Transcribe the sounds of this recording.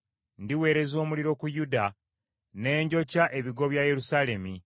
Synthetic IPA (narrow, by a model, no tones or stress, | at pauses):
ndiwe̞ːɾe̞zo̞ːmuliɾo̞kujuda | ne̞ːɲɟo̞caʔe̞βiɡo̞βjaje̞ɾusale̞mi